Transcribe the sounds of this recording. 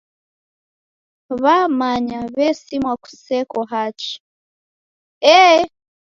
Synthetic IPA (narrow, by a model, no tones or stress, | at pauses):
βamaɲaβɛsimwaku̥sɛkɔɦat͡ʃi̥ | ɛ